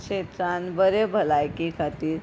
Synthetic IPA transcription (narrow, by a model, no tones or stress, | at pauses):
ɕet̪ɾanbəɾebʱəlajkikʰət̪iːɾ